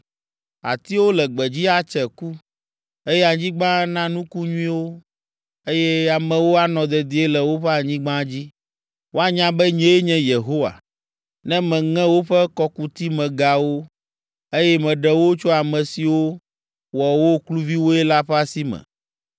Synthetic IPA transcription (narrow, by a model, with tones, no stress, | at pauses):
a̰˨t̪i˦wo˦lɛ˨ɡ͡bɛ˨d͡ʑi˦a˦t͡ʃɛ˨ku˦ | e˦jɛ˦a˨ɲĩ˦ɡ͡bã˦nã˦nũ˦ku˦ɲũ˦ĩ˦wo˦ | e˦jɛ˦a˨mɛ̃˨wo˦a˨nɔ̃˨d̪ɛ˨d̪i˨˦e˦lɛ˨wo˦ɸɛ˦a˨ɲĩ˦ɡ͡bã˦d͡ʑi˦ | wʔo˦a˦ɲã˦bɛ˦ɲɛ̃˦e˦ɲɛ̃˦je˨ɦo˦wa̰˨ | nɛ̃˦mɛ̃˨ŋɛ̃˦wo˦ɸɛ˦kɔ˦ku˦t̪i˦mɛ̃˨ɡa˨wo˦ | e˦jɛ˦mɛ̃˨ɖɛ˨wo˦t͡ʃo˦a˨mɛ̃˨si˨wo˦ | wɔ˨wo˦klu˦vi˦wo˦ɛ˦la˦ɸɛ˦a˦si˦mɛ̰̃˨